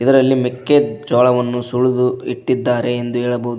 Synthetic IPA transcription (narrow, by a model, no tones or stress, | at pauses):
id̪ɐɾɐlːimikːed͡ʒɔːɭɐʋɐnːusuɭud̪uiʈːid̪ːaːɾe̞ːnd̪uɦɛːɭɐbɐud̪